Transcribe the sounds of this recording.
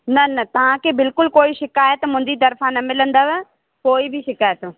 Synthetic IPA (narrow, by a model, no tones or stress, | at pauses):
nɐnɐt̪ɐʋ̤ãkʰebɪlkʊlkoːiʃɪkaːjət̪mʊ̃n̆d̪it̪ɐɾfanɐmɪlə̃nd̪aːʋ | koːibɪʃɪkaːjət̪ː